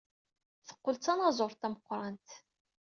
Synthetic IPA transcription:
θə̥qːəlt͡sːɑnɑzˤʊɾˤt̪æməqːɾˤɑnt̪

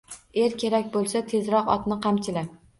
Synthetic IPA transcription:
eɾkʲʰe̞ɾakʲbolˠsat̪ʰe̞zɾɒqɒ̰t̪nɪqʰɑmt͡ʃʰɪla

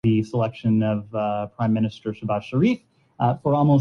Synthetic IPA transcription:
ɨsəlɛkʃɨ̃nʌvpʰɹ̥ãɪ̃mːɪñɨstə˞ʃəbaʃə˞if | fə˞ɔlˠmoʊ

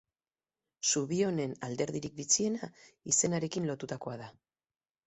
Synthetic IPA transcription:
suβio̞ne̞nald̪e̞ɾðiɾik̚bit͡sie̞naise̞naɾe̞kinlo̞t̪ut̪ako̞aða

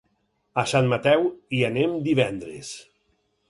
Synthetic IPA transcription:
asanmat̪ɛwianemd̪iβɛnd̪ɾḛs

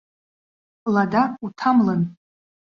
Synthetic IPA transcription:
ladautʰamlɨn

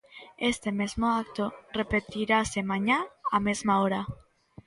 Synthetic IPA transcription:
est̪e̞mezmoakt̪ore̞pe̞t̪iɾase̞maɲaːmezmaoɾa

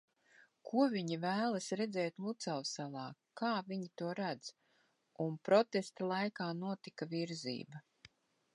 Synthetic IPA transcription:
kʰuɔviɲivæːlˠasɾɛd̪zɛːt̪lˠut̪salsalˠɑːkaːvʲiɲit̪uɔɾad̪z̥ | unpɾɔt̪est̪alˠajkaːnuɔt̪ikaviɾzḭːbɐ

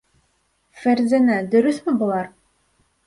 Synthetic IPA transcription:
fæɾzænæd̪ɵ̆ɾɵsmɘbŏlˠɑɾ

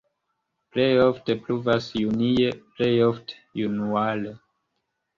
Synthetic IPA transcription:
plejofte̞pluvasjunieplejofte̥junuale

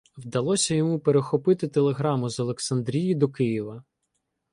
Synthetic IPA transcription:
wd̪ɐlˠɔsʲɐjɔmupeɾexɔpɪt̪ɪt̪elˠeɦɾɑmʊzɔlˠeksɐnd̪ɾʲijid̪ɔkɪjiʋɐ

